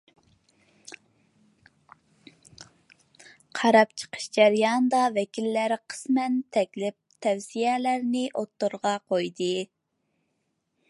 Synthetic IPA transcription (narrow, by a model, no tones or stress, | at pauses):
qʰɑɾɑp̚t͡ʃʰə̥qʰə̥ʃd͡ʒæɾjɑnd̪ɑvɛkʲʰilːæɾqʰə̥smɛnt̪ʰɛkʲlɪp̚t̪ʰɛwsijɛlæɾnɪʔot̪ːuɾʁɑqʰojd̪ɨ